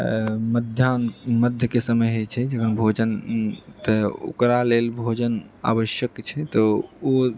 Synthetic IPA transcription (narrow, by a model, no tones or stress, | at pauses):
məd̪ʱjanməd̪ʱjəkesəməjɦot͡ʃʰɛd͡ʒəɡənbʱod͡ʒənt̪əo̰kɾalelbʱod͡ʒəna̰βəʃjəkt͡ʃʰɛt̪ɔo